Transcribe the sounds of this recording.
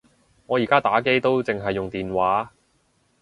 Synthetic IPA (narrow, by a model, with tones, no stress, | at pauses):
ŋɔː˨˧jiː˨˩kaː˥t̪aː˨˥ke˥jt̪o˥wt͡sɪ˨ŋɦɐ˨jːʊ˨ŋt̪iː˨nwaː˨˥